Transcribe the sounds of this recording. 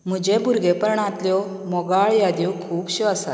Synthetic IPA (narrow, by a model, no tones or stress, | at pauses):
m̤ud͡ʑẽbʱuɾɡepəɾɳãt̪ljɔ | mɔɡaɭjad̪jɔkʰuːbɕiʋasa̰